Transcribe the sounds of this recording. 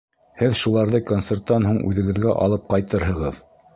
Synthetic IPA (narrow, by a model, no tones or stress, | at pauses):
hɘðʃulˠɑɾðɤkont̪sert̪ːɑnɦuɴʉ̰ðɘ̆ɡɘ̆ðɡæʔɑ̰lˠɤp̚qɑjt̪ɤɾɦɤ̆ʁɤð